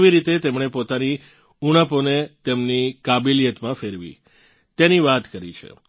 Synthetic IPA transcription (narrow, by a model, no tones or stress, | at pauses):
ʋiɾit̪et̪emɳepot̪ani | uɽ̃əponet̪emnikabilijət̪mãfeɾʋḭ | t̪eniʋat̪kəɾḭt͡ʃʰḛ